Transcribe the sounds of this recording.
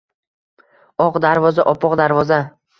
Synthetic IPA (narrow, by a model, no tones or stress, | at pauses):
ɒqd̪aɾvɒzaʔɒpʰɒqd̪aɾvɒza